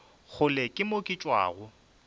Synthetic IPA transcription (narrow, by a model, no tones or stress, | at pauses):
χʊlekʼɪmokʼɪt͡ʃʼwa̰ːɣʊ